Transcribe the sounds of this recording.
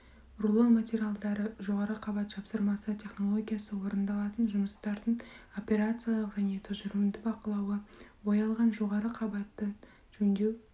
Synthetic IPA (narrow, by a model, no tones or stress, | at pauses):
rulˠonmat̪ʲeɾʲijalˠd̪ɑɾəʒo̞ʁɑɾəqʰɑbɑt̪tʰɑpsəɾmɑsət̪ʲʰe̞χno̞lˠo̞ɡʲijasəwo̞ɾənd̪ɑlˠɑt̪ənʒʊməst̪ɑɾd̪əɴo̞pʲe̞ɾat̪sɨjalˠəqʒæne̞t̪ʰʊʒʏɾuɪnd̪ɪbɑqəlˠɑwəwo̞jɑlˠʁɑnʒo̞ʁɑɾəqʰɑbɑt̪ːə | ʒ̥ɵnd̪e̞w